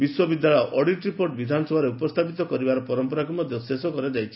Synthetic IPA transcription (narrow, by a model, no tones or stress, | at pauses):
biswɔbid̪jaɭɔjʔɔɽiʈɾipoʈbid̪ʱanɔsɔbʱaɾeupɔst̪ʰapit̪ɔkɔɾibaɾɔpɔɾɔmpɔɾakumɔd̪ʱjɔsesɔkɔɾed͡ʒajt͡ʃʰi̥